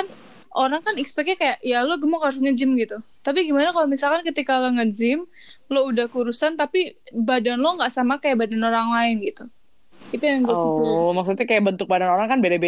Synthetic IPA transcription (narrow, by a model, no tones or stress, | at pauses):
kan | ʔoɾaŋkanikspɛk̚ɲakajaʔjaloɡəmɔkaɾʊsŋəd͡ʒɪmɡit̪ut̪apiɡimanakalomisalkankət̪ikaloŋəd͡ʒɪm | loudahkuɾusant̪apibadanloŋɡaʔsamakajaʔbadanoɾaŋlaɪnɡit̪u | it̪ujaŋmaksut̪akajaʔbənt̪ʊk̚badanoɾaŋkanbelabe